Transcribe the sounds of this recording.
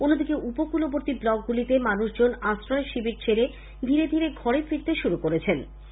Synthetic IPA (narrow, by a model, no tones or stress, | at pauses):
onːod̪ikeʔupokuloboɾt̪iblɔk̚ɡulit̪emanuʃd͡ʑonasɾɔeʃibiɾt͡ɕʰeɾe | d̪ʱiɾed̪ʱiɾeɡʱɔɾefiɾt̪eʃuɾukoɾet͡ɕʰen